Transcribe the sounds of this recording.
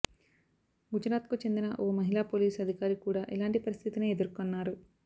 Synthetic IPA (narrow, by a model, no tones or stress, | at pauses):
ɡud͡ʒɾaːt̪kut͡ʃe̞nd̪inɐʔoːmɐɦilaːpoːliːsɐd̪ʱikaːɾikuːɽaːʔilaːɳʈipɐɾist̪ʰit̪ineːed̪uɾkonːaːɾu